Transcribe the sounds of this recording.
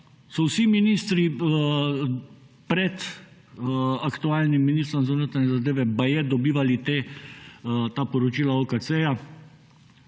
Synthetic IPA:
sɔwsiminiːst̪ɾi | pɾɛt̪ | akt̪uaːlnimːiniːst̪ɾɔmzɐnət̪anɛzad̪eːʋɛbajɛd̪ɔbiːʋalit̪eː | t̪aːpɔɾɔt͡ʃiːlaoːkaseːja

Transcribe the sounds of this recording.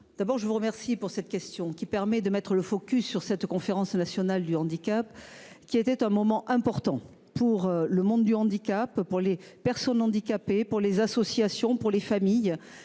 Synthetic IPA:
d̪̥abɔʁʒəvuʁəmɛʁsipuʁsɛt̪kʲɛst̪jɔ̃kʲipɛʁmɛd̪əmɛt̪χələfɔkʲysːyʁsɛt̪kɔ̃feʁɑ̃snasjɔnald̪yɑ̃d̪ikapkʲiet̪ɛt̪ɛ̃mɔmɑ̃ʔɛ̃pɔʁt̪ɑ̃ | puʁləmɔ̃d̪d̪yɑ̃d̪ikappuʁlepɛʁsɔnɑ̃d̪ikapepuʁlezasɔsjasjɔ̃puʁlefamij

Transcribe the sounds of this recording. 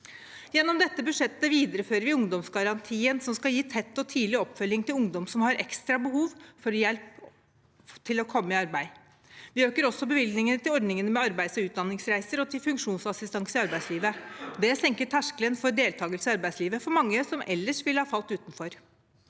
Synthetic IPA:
jɛnːɔmd̪ɛt̪ːəbʉd̪ʂɛt̪ːəʋiːd̪əɾəføːɾəɾʋɪʊŋd̪ɔmsɡɑɾɑnt̪ʰiːənsɔmskɑljiːt̪ʰɛt̪ːɔt̪ʰiːlɪɔpːfœlːɪŋt̪ʰɪlʊŋd̪ɔmsɔmhɑɾʔɛ̰kst̪ɾɑbəɦuːʋfɔɾjɛlp | t̪ʰɪlɔkʰɔmːəɪɑɾbæɪ | ʋɪøːkəɾɔsːɔbəʋɪld̪nɪŋənət̪ɪlɔɖnɪŋənmɛɑɾbæɪsɔʉːt̪̚d̪ɑnːɪŋsɾæɪsəɾɔt̪ʰɪlfʉŋkʂuːnsɑsɪst̪ɑŋsəɪɑɾbæɪsliːʋəd̪ɛsɛŋkəʈʰæʂkələnfɔɾɖ̪eːlt̪ʰɑːɡəlsəɑɾbæɪsliːʋəfɔɾmɑŋːəsɔmʔɛlːəʂʋɪlhɑːfɑlt̪ʉːt̪n̩fɔɾ

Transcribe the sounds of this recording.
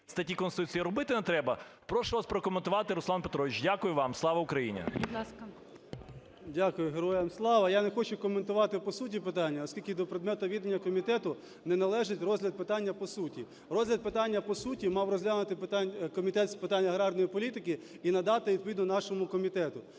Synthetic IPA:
st̪ɐtʲikɔnst̪ut͡sʲijɐɾʊbɪt̪ɪnɛt̪ɾɛbɐ | pɾɔʃʊʋaspɾɔkɔment̪ʊʋɑt̪ɪɾʊsˠɑnpet̪ɾɔʋʲit͡ʃdʲakʊjʊʋɑmslˠɑʋɐʊkɾɐjinʲɐ̰bʲd̪lˠɑsk | dʲakʊjʊɦeɾɔjɐmslˠɑʋɐjanexɔt͡ʃʊkɔment̪ʊʋɑt̪ɪpɔsut̬ʲipɪt̪ɑnʲːɐɔsʲkʲilʲkɪd̪ɔpɾed̪mɛt̪ʊʋʲid̪enʲːɐkɔmʲit̪ɛt̪ʊ | nɛnɐlˠɛʒɪtʲrɔzʲlʲɐd̪̚pɪt̪ɑnʲːɐpɔsutʲi | ɾɔzlʲɐd̪̚pɪt̪ɑnʲːɐpɔsutʲimɑwrɔzʲlʲanʊt̪ɪpɪt̪ɑnʲkɔmʲit̪ɛt̪spɪt̪anʲːɐɦɾɑrd̪ɔjipɔlʲit̪ɪkɪ | inɐd̪ɑt̪ɪʋʲid̪pɔʋʲid̪nɔnɑʃɔmʊkɔmʲit̪ɛt̪ʊ

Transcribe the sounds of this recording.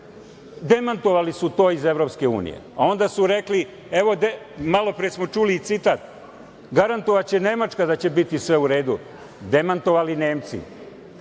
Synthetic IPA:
d̪e̞mant̪o̞ʋalisut̪o̞ːize̞vɾo̞pske̞ṵːnḭjḛao̞nd̪asuɾekli | e̞ʋo̞d̪e | malo̞pɾiesmo̞t͡ʃuːliːt̪sit̪aːt̪ | ɡaɾant̪oʋat͡ɕe̞ne̞mat͡ʃkad̪at͡ɕe̞bit̪isʋe̞uɾe̞ːd̪u | d̪e̞mant̪o̞ʋaline̞ːmt̪sḭ

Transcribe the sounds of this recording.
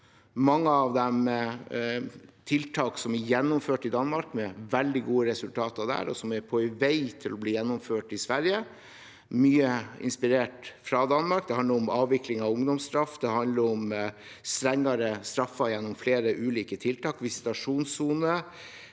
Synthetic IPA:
mɑŋːəɑʋd̪ɛm | t̪ʰɪlt̪ʰɑːksɔmɛjɛnːʊmføːʈɪd̪ɑnːmɑɾkmɛʋɛld̪ɪɡuːəɾɛsʉlt̪ʰɑːt̪ɑd̪æ̰ːɾɔ̰sɔmɛɾpʰɔɛʋæɪt̪ʰɪlɔbliːjɛnːɔmføːʈɪsʋæɾjə | myːəɪ̰nspɪɾeːʈfɾɑd̪ɑnmɑɾk̚d̪ɛhɑnd̪əɾɔmɑːʋʋɪklɪŋɑʋʊŋd̪ɔmst̪ɾɑfd̪ɛhɑnd̪ləɾɔm | st̪ɾɛŋːɑɾəst̪ɾɑfːɑjɛnːɔmfleːɾəʔʉːliːkət̪ʰɪlt̪ʰɑːkʋɪsɪ̥t̪ɑʂuːnsuːnə

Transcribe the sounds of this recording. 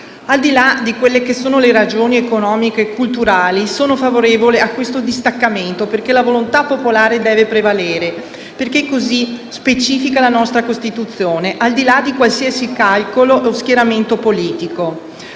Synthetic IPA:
ald̪ilad̪ikwelːekesoːnoleɾad͡ʒoːniekonɔːmikekːult̪uɾaːlisoːnofavoɾeːvoleakːwest̪od̪ist̪akːament̪operkelavolont̪apːopolaːɾed̪ɛːvepɾevaleːɾe | perkekːozispet͡ʃiːfikalanɔst̪ɾakost̪it̪ut̪sːjoːneʔald̪ilad̪ikwalsiːasikalkoloʔosk̟jeɾament̪opoliːt̪iko

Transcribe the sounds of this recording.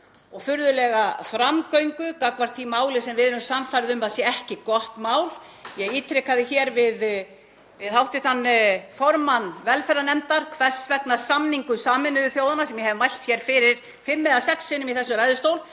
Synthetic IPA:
ɔɣfʏɾðʏlɛɣafɾamkœɥŋkʏkakvaɾ̥t̪ʰimaːwlɪsɛmvɪðnʏmsamfajɾðʏmasjɛɛhcɪkɔht̪maːwl | jɛɣiːt̪ʰɾɛkaðɪçɛɾvɪð | vɪðhawht̪ɪθanːfɔɾmanvɛlfɛɾanɛmt̪aɾ̥kʰvɛsvɛknasamniŋkʏsaːmɪnːʏðʏθjoːwðanasɛmjɛhɛvɪmajl̥t̪çɛɾ̥fɪɾɪɾ̥ | fɪmːɪðasɛksːɪnʏmiθɛsːʏɾajðʏst̪oːwl

